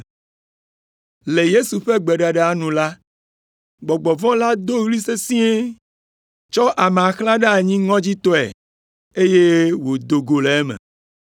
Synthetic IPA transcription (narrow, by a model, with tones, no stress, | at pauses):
le˨je˦su˨ɸe˦ɡ͡bɛ˨ɖa˨ɖe˨a˨nũ˨la˦ | ɡ͡bɔ˨ɡ͡bɔ˨vɔ̃˦la˦d̪o˦ɣli˦se˦sĩ˦e˦ | t͡ʃɔ˦ʔa˨me˨a˨xla˦ɖe˦a˨ɲĩ˦ŋɔ̃˦d͡ʑi˦t̪ɔ˦ɛ̰˨ | e˦je˦wo˨d̪o˨ɡo˨le˨e˦mḛ̃˨